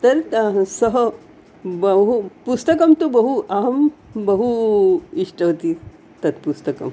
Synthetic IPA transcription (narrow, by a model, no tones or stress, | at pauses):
t̪ɐɾsəɦə | bəɦupust̪əkɐmt̪ubəɦuʔaɦmbəɦuiʂʈəɦt̪i | t̪ɐt̪pust̪əkɐ̰m